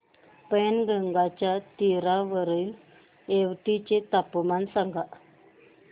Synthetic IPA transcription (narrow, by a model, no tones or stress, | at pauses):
penɡəŋɡat͡ɕjat̪iɾaʋəɾəil | eʋʈit͡ɕet̪apmansaŋɡa